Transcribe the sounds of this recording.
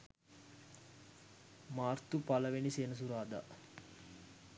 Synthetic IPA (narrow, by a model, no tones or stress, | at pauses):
maːrt̪upaləʋeniseːnəs̬uɾaːd̪a̰